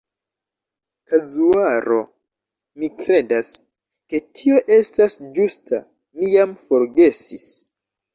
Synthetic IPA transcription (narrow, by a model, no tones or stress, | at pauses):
kad͡zuaɾo̞ | mikɾe̞das | ke̞tʰio̞ʔe̞stasd͡ʒustʰa̰ | mijamfo̞ɾɡe̞sis